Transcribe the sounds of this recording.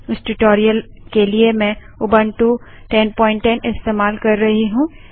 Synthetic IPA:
ʊsʈʊʈoːɾijəl | keliemɛ̃ | ʊbənʈu | ʈɛnpɔ̃ːɪ̃ɳʈːɛnɪst̪eːmaːlkɐɾːɐɦiɦũː

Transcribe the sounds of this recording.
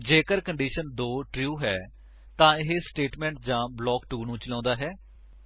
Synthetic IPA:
d͡ʒeːkəɾkəɳɖiːʃənd̪oːʈɾjuːɦɛː | t̪ãːɪɦesʈeːʈmɛ̃ːɳʈ̚d͡ʒãːblɔːkʈuːnũːt͡ʃəlɔ̃ːnd̪aːɦɛː

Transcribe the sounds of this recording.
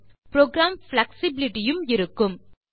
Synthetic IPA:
pɾoːɡɾaːmflɐksɪbɪlɪʈɪjɯmɪɾɯkːɯm

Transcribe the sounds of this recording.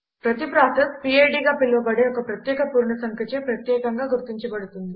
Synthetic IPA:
pɾɐt̪ipɾaːt̪ɐspiːejɖiːɡaːpilːɐʋɐbɐɽeːɔkɐpɾɐt̪jɛːkɐpuːɾɳɐsɐŋkɾɐt͡ʃepɾɐt̪jɛːkɐŋɡaːɡuɾt̪iɲt͡ʃɐbɐɽut̪und̪i

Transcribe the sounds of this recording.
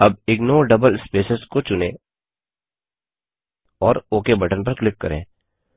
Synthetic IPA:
ɐb̚ɪɡnoːɖɐbəlspeːsəskot͡ʃʊnḛ̃ː | ɔːɾoːkebɐʈənp̬ɐɾklɪkːɐɾḛ̃ː

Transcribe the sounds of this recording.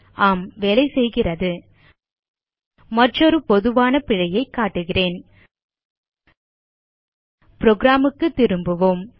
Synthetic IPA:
ʔaːmʋɛɭɐɪsɛjɣɪrɐðɯ | mɐʈrɔɾɯpɔðɯʋaːnɐpɪɻɐjɐɪkːaːʈːɯɣɪreːn | pɾoːɡɾaːmɯkːɯt̪ːɪɾɯmbɯʋom

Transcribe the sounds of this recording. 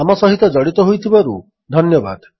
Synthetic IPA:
amɔsɔɦit̪ɔd͡ʒɔɽit̪ɔɦojt̪ʰibaɾu | d̪ʱɔnjɔba̰d̪

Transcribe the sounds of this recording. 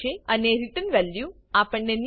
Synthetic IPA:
eəneɾiʈ̪ənʋɛljũ | apəɳːen

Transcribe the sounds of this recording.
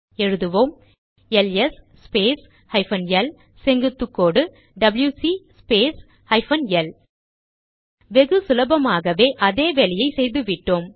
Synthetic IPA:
ɛɻɯðɯʋoːm | ɛlɛsspeːs | hɐɪfɐnjɛl | sɛŋɡɯt̪ːɯkːoːɽɯ | ɖɐbljuːsispeːs | hɐɪfɐnɛl | ʋɛɣɯsʊlɐbɐmaːɣɐʋeːʔɐðeːʋɛɭɪjɐɪsɛjðɯʋɪʈːoːm

